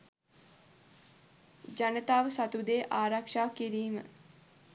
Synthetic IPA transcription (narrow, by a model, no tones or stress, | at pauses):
d͡ʒanət̪aːʋəsat̪ud̪eːʔaːɾakʂaːkiɾiːmə̰